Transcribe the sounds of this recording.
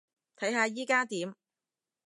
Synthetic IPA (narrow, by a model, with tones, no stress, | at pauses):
t̪ʰɐ˨˥jɦaː˧jiː˥kaː˥t̪iː˨˥m